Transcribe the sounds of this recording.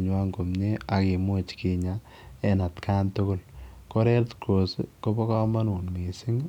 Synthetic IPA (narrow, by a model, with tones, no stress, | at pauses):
ɲwa˦ŋɡo˨mne˦a˨ki˨mwo˦t͡ʃki˨ɲa | ɛ˦na˨tkʰaː˦ntʊko˦lko˦ɾɛ˦ɾtkʰo˨sko˦pɔ˦kɔ˦ma˦nu˨nmi˨sɪ˦ŋ